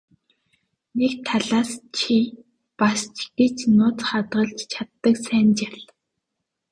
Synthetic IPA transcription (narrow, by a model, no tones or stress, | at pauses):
nekt̪ʰaɮaːst͡ɕʰi | past͡ɕɡ̥et͡ɕnʊːt͡sχat̪ɢə̆ɮt͡ɕt͡ɕʰat̪ːə̆ksæːnt͡ɕaɮ